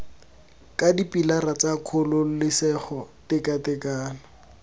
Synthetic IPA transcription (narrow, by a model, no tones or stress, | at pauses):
kadipʼilarat͡sakʰʊlʊlɪsɛχɔtɪkatɛkaːnɔ